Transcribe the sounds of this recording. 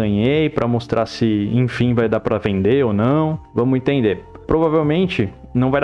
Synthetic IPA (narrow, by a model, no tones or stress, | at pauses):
ɐ̃ɲejpɾʔɐmost̪ɾʔasɪẽfĩvajd̪apɾɐvẽnd̪eonɐ̃w̃vɐ̃mʊẽt̪ẽnd̪e | pɾʔovavewmẽnt͡ʃɪnɐ̃w̃vajd̪